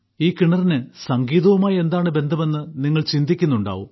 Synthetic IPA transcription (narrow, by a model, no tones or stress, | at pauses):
iːkiɳɐrinɨsɐŋɡiːðɐʋumaːje̞nd̪aːɳɨbe̞nd̪ʱɐme̞nːɨniŋːɐɭt͡ɕind̪ʱikʲːunːuɳɖa̰ːʋum